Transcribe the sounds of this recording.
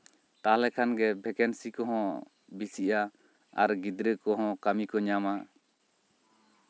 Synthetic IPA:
t̪alɛkʰanɡɛbʱɛkɛnsikɔɦɔ̃ | bisiʔa | a̰ɾɡid̪ɾəkɔɦɔ̃kamikɔɲama

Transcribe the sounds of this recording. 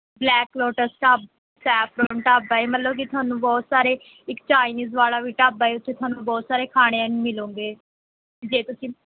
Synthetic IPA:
blɛːklɔːʈəɾsʈaːb | sɛːpʰɾoːɳʈaːbaːeːmət̪ləbkɪt̪ʊaːnũːbɔːt̪saːɾeː | ɪkt͡ʃaːɪniːzʋaːlaːʋiːʈaːbaːeːʊt̪ʰːeːt̪ʊaːnũːbɔːt̪saːɾeːkʰaːɽ̃eãnĩmɪlõːŋɡeː | d͡ʒeːt̪ʊsĩː

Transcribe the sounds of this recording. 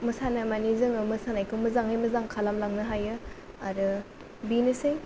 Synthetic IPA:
mɯsanamanizɯŋɯmɯsanajkʰɯwmɯzaŋhajmɯzaŋkʰalamlaŋnɯɦajɯ | aɾɯ | binɯsɯj

